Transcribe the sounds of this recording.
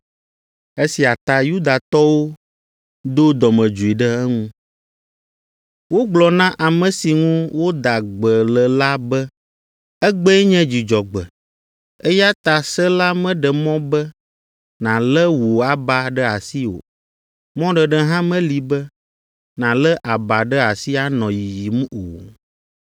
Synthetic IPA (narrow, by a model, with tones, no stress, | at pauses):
e˦si˨a˨t̪a˨ju˦d̪a˨t̪ɔ˦wo˦ | d̪o˦d̪ɔ˨mɛ̃˨d͡ʒu˨i˨ɖɛ˦ɛ˦ŋũ˦ | wo˦ɡ͡blɔ˨nã˦ʔa˨mə̃˨si˨ŋũ˦wo˦d̪a˨ɡ͡bə˨lə˨la˦bɛ˦ | ɛ˦ɡ͡bɛ˦ɛ˦ɲɛ̃˦d͡ʑi˨d͡ʒɔ˨ɡ͡bɛ̰˨ | e˦ja˦t̪a˨sə˦la˦mɛ̃˦ɖɛ˨mɔ̃˦bɛ˦ | nã˨lə˦wo˨a˦ba˨ɖə˦a˨si˦o̰˨ | mɔ̃˦ɖə˨ɖɛ˦ɦã˦mɛ̃˦li˨bə˦ | nã˨lɛ˦ʔa˨ba˨ɖə˦a˨si˦a˦nɔ̃˨ji˨ji˨m˦o̰˨